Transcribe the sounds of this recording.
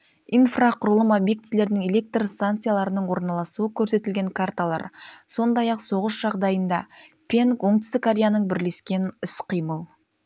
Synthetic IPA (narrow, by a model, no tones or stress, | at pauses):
infraqʰʊɾəlˠəmobje̞k̚t̪ile̞ɾnɪŋe̞le̞k̚t̪rst̪ankt̪sɨjalˠɑɾənəɴwo̞ɾnɑlˠɑsuəkʲʰɵɾse̞t̪ɪlɡʲe̞ŋkʰart̪alˠɑ̰ɾso̞nd̪ɑjɑqso̞ʁəsʒ̥ɑʁd̪ɑjənd̪ɑ | pʲʰe̞ŋkwo̞ɴd̪ɪ̥st̪ɪkaɾʲejanəɴbɪɾle̞skʲe̞nʏsqʰijməlˠ